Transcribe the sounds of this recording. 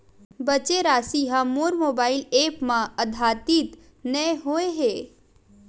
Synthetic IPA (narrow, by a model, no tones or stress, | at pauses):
bɐt͡ʃeɾaːsiɦãmoːɾmoːbaːɪleːpmãəd̪ʱaːt̪it̪ | nəɦoeɦeː